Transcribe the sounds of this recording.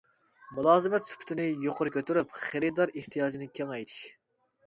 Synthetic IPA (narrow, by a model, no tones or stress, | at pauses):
mulˠɑːzɨmɛt̪sy̥pʰɪ̥t̪ʰɪnɪjoqʰʊɾɨkʲøt̪yɾypχeɾɨd̪ɑɾeht̪ʰijɑːd͡ʒinɪkʲʰeŋɛjt̪ʰi̥ʃ